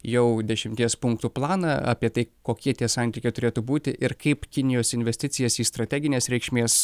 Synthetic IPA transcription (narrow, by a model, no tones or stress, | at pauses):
jɛʊd̪ʲɛʃʲɪmʲt̪ʲiɛspʊŋkt̪uːplˠɑːnɐɐ̰pʲiɛt̪ɐɪkoːkʲiɛt̪ʲiɛsɑnʲt̪ʲiːkʲɛɪt̪ʊɾʲeːt̪uːbuːt̪ʲɪʔɪɾkɐɪpkʲɪnʲɪjoːsɪnʲʋʲɛsʲt̪ʲɪt̪sʲɪjɛsiːst̪ɾɐt̪ʲɛæɡʲɪnʲeːsɾʲɛɪkʃʲmʲeːs